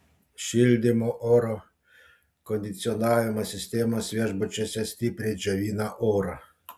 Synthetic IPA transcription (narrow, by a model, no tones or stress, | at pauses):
ʃild̪imɔʔoɾɔ | kɔnd̪it̪sʲiɔnaːjɛmasʲist̪eːmasʋʲeʒbɔt͡ʃɛsʲɛst̪ipɾʲiʒɛʋiːnaʔoɾa